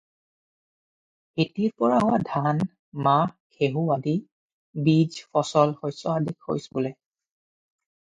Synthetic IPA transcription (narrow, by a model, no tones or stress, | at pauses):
hitiɹpɔɹaɦʊwadʱan | makʰeɦuadi | bid͡ʒfɔsɔlhojsɔadikho̰jspulɛ